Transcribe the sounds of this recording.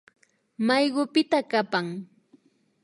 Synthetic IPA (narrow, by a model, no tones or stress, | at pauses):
majɢʊpɪt̪akapaŋ